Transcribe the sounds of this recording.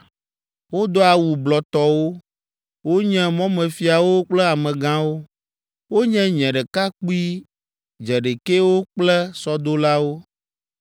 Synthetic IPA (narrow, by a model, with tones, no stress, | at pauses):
wo˦d̪ɔ˦a˨wu˨blɔ˨t̪ɔ˦wo˦ | wo˦ɲɛ̃˦mɔ̃˦mɛ̃˨fi˨a˨wo˦k͡plɛ˦a˨mɛ̃˨ɡã˦wo˦ | wo˦ɲɛ̃˦ɲɛ̃˨ɖɛ˨ka˦k͡pu˦i˦ | d͡ʒɛ˨ɖe˨ke˦wo˦k͡plɛ˦sɔ˦d̪o˦la˦wo˦